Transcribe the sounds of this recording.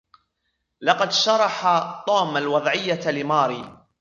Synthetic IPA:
lɑqɑd̪ʃɑɾˤɑħat̪ˤɑːmalwɑðˤʕɪjːalɪmɑːɾiː

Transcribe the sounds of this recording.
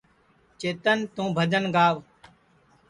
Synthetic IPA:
t͡ʃeːt̪ənt̪ũːbʱəd͡ʒənɡaːʋ

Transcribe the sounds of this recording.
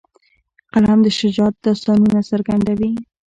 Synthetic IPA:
qalamd̪əʃɪd͡ʒɑt̪̚d̪ɑst̪ɑnunasaɾɡand̪awi

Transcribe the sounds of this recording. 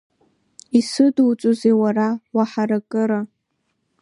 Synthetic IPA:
isɨdut͡ʃʷʼozewarawaħaɾakʼɨɾa

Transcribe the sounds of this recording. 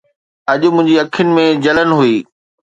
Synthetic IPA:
ɐʄʊ̆mʊ̃ɦɪ̃ɲd͡ʑiɐkʰɪnɪ̆mẽd͡ʑɐlənɪ̆ɦuiː

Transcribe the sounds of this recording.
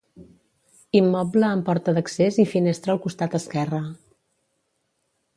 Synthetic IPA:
imːɔbləːmpɔɾt̪əðəksezifinest̪ɾəːlˠkust̪at̪əskɛrə

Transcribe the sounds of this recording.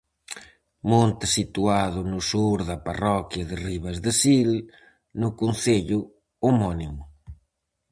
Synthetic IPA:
mont̪ɪsit̪uaðʊnʊsuɾðɐparɔkjɐðɪriβɐzðɪsil | nʊkunθeʎʊ | omɔnimʊ

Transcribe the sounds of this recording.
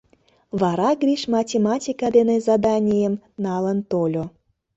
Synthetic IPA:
βɑɾɑɡrʲiʃmɑtʲemɑtʲikɑd̪enezɑd̪ɑnʲijəmnɑlənt̪olʲo

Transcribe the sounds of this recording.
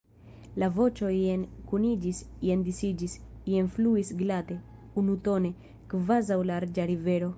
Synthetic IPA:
lavo̞t͡ʃo̞ienkunid͡ʒisjend̪isid͡ʒisjenfluisɡlat̪e̞ | unut̪o̞ne̞ | kvazawlaɾd͡ʒaɾiveɾo̞

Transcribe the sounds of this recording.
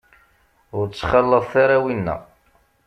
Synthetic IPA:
ʊɾt͡sːχɑlːəðˤθaɾawinːæ̰

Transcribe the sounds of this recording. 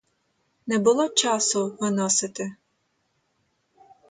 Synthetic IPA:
nɛbʊlˠɔt͡ʃasʊʋɪnɔsɪt̪ɪ

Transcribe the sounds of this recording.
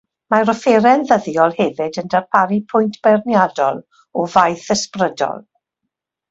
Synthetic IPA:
maɾɔfeɾɛnðəðjɔlˠhɛvɨdəndarpʰaɾipʰʊjntʰb̥ɛrnjadɔlˠ | ɔvajθəsprədɔ̰lˠ

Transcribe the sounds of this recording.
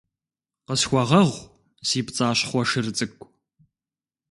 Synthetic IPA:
qəsxʷɐʁɐʁʷ | siːpt͡sʼaːɕχʷɔʂɨrɨt͡sʼɨkʷʼ

